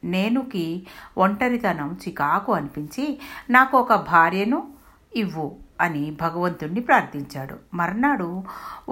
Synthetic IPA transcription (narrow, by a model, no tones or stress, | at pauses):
ne̞ːnukiʔoɳʈɐɾit̪ɐnɐmt͡ʃikaːkuɐnipiɲt͡ʃinaːkuɔkɐbʱaːɾjɐnu | iʋːuɐnibʱɐɡɐʋɐnt̪unːipɾaːɾt̪ʰiɲt͡ʃaːɽṵmɐɾɐnaːɽu